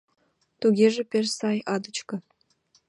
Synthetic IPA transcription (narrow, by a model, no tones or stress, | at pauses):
t̪uɡʲeʒĕpʲersɑjɑd̪ə̆t͡ɕkɤ̆